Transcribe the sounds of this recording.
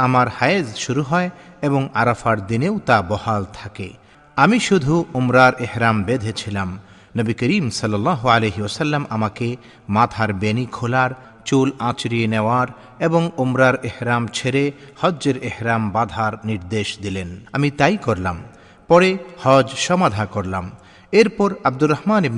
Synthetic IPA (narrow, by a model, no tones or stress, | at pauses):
amaɾhajezʃuɾuɦɔeeboŋaɾafaɾd̪inewt̪abɔhalt̪ʰakḛ | amiʃud̪ʱuomɾaɾʔehɾambed̪ʱet͡ɕʰilam | nəbikəɾimsʌlːɔlːaɦoaleɦiɔsɐlːamamake | mat̪ʰaɾbenikʰolaɾ | t͡ɕulãt͡ɕɾieneoaɾ | eboŋomɾaɾehɾamt͡ɕʰeɾehɔd͡ʑːeɾehɾambad̪ʱaɾniɾd̪eʃd̪ilenamit̪ajkoɾlam | pɔɽehɔd͡ʑʃɔmad̪ʱakoɾlam | eɾpɔɾabd̪uɾːɔhmanib